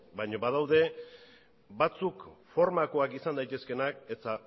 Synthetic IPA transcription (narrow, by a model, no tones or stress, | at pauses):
baɲo̞βað̞awðe̞ | bat͡sukfo̞ɾmako̞akisand̪ajt̪e̞ske̞naket̪a